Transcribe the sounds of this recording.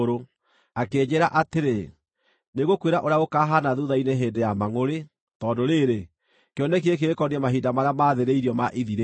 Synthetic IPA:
ɾo | akeːd͡ʑeɾaʔateɾe | neɣokweɾaʔoɾeaɣokaɦanaðuðaineɦeːndejamaŋoɾe | tɔdoɾeɾe | keɔnekeekeɾekɔniɛmaɦidamaɾeamaðeɾeiɾiɔmaʔiðiɾe

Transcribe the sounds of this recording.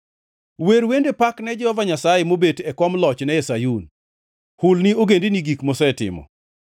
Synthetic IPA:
weɾwendepaknɛd͡ʒɛhɔvaɲasajemobetɛkɔmlɔt͡ʃnɛɛsajun | hʊlnioɡendiniɡikmosɛtɪ̰mɔ̰

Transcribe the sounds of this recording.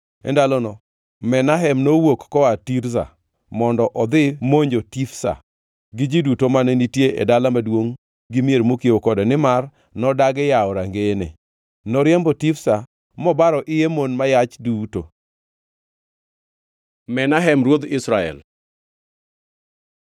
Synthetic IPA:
ɛ̰ndalɔnɔ | mɛnaɦɛmnowokːɔatiɾza̰ | mɔndɔʔɔd̪ɪmoɲd͡ʒotifsa̰ | ɡɪd͡ʒidutomanenitjeʔḛdalamadwoŋ | ɡɪmjeɾmokiokɔdɔnɪmar | nɔdaɡɪjaɔɾaŋɡenḛ | nɔɾjɛmbɔtifsa | mɔbaɾɔʔɪjemonmajat͡ʃduto | mɛnaɦɛmɾwod̪ɪsɾaɛ̰l

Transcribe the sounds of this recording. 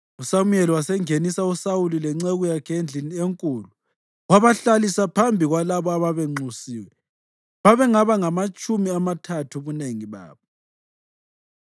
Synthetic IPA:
usamujeliwasɛŋenisausawulilɛŋ͡ǀeɣujakʰend͡ɮʱinieŋkʼuːlu | ɣwaβaɬalisapʰambʱiɣwalaβɔaβaβɛŋ͡ǀusiːwɛ | βaβɛŋaβaŋamat͡ʃʼumiamatʰatʰuβuneŋiβa̰ːβɔ

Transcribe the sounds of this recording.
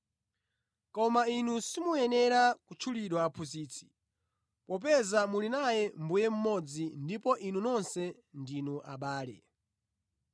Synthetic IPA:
kɔmainusimujɛnɛɾakut͡ʃʰuliɗwaːpʰuziːt͡sʰi̥ | pɔp̬ɛzamulinajɛmbujɛm̩mɔd͡zindipɔʔinunɔnsɛ | ndinuʔa̰ɓaːlɛ̰

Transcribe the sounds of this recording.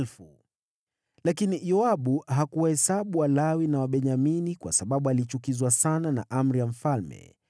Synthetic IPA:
lfu | lakinijɔaɓuɦakuwahɛsaɓuwalawinawaɓɛɲaminikwasaɓaɓualit͡ʃukizwasanana̰ʔam̩ɾijam̩falmɛ̰

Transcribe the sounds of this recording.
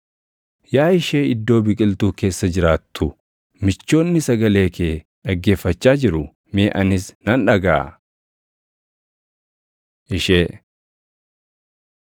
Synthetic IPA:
jaːɪʃe̞ːɪd̪ːo̞ːbɪkʼɪlt̪uːke̞ːsːɐd͡ʒɪɾaːt̪ːʊ | mɪt͡ʃːo̞ːnːɪsɐɡɐle̞ːkʰeː | ᶑɐɡːe̞ːfːɐt͡ʃːaːd͡ʒɪɾʊ | meːʔɐnɪsnɐnᶑɐɡa̰ː | ʔɪʃeː

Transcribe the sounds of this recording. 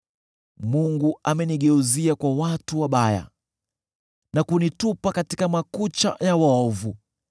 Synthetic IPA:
muŋɡuamɛniɠɛuziakwawatuwaɓaja̰ | nakunitupakatikamakut͡ʃa̰jawaɔvu

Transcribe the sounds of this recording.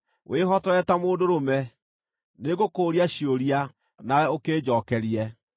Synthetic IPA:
wʔeːɦɔtɔɛtamoːdoɾomɛ | neɣokoːɾiaɕioɾia | nawɛokeːd͡ʑɔkɛɾiɛ

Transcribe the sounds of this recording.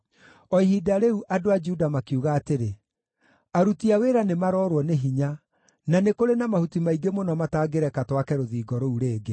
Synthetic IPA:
ɔiɦidaɾeuʔadoad͡ʒuudamakiuɣaːteɾe | aɾutiaweːɾanemaɾɔːɾwɔneɦiɲa | nanekoɾenamahutimaiɡemonɔmataːɡeɾɛkatwakɛɾoðiːɡɔɾouɾeːɡe

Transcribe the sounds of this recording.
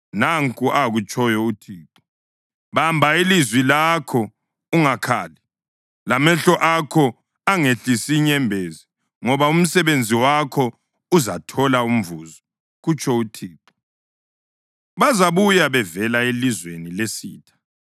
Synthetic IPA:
naŋkʼuʔaɣut͡ʃʰʼɔjɔutʰiːǃɔ̥ | βambʱailizwilakʰɔ | uŋakʰa̰ːli | lamɛɬɔʔakʰɔ | aŋeɬisiɲɛmbʱezi | ŋɔβaum̩sɛβend͡zʱiwakʰɔ | uzatʰɔlaum̩vuːzɔ | ɣut͡ʃʰʼɔutʰiːǃɔ̥ | βazaβujaβɛvɛlaelizwenilesḭːtʰḁ

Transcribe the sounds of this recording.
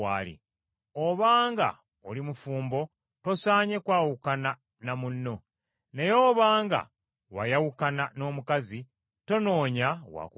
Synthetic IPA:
a̰ːlḭ | oβaːŋɡa̰ | olimufuːmbo̞ | to̞saːɲe̞kwaːwukana | namunːo̞ | ne̞jo̞ːβaːŋɡa̰ | wa̰jawukanano̞ːmukazi | to̞no̞ːɲawa̰ku

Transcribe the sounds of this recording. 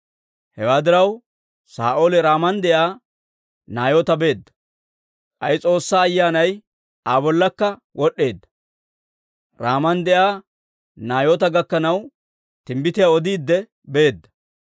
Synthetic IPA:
hɛwaːd̪ɪɾɐw | sa̰ːʔoːlɛɾaːmɐnd̪ɛʔaː | naːjoːt̪ɐbe̞ːd̪ːɐ̥ | ʔɐjt͡sʼo̞ːsːaːjːaːnɐj | ʔaːbɔlːɐkːɐwʔɔɗːe̞ːd̪ːɐ̥ | ɾaːmɐnd̪ɛʔaː | naːjoːt̪ɐɡɐkːɐnɐw | t̪ɪmbɪt̪ɪjaɔd̪iːd̪ːɛ | be̞ːd̪ːɐ

